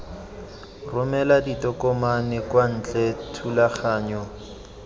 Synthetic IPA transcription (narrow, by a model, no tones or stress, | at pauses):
rʊmɛladitʼɔkʼɔmanɛkwan̩ːt͡ɬʼɛtʰulaχaːɲɔ